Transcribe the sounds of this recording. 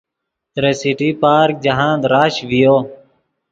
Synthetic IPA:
t̪ɾeːsiʈiːpaːɾk̚d͡ʒəɦãːd̪ɾaːʃʋɪjoː

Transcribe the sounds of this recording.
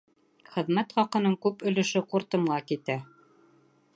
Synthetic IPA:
χɘ̆ðmæt̪χɑqɤ̆nɤɴkʉpɵ̆lɵ̆ʃɘquɾt̪ɤ̆mɢɑkit̪æ

